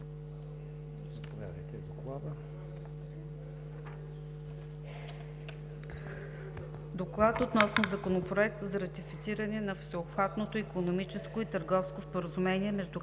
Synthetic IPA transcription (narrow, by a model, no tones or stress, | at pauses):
zɐpovʲja̰d̪əjt̪ɛd̪oklˠad̪ə | d̪oklˠat̪ot̪nɔsnozɐkonopɾoɛk̚t̪əzɐɾɐt̪ifit̪siɾənɛnɐfsɛopxvat̪not̪oikonomit͡ʃɛskoit̪əɾɡɔfskospoɾəzumɛniɛmɛʒd̪u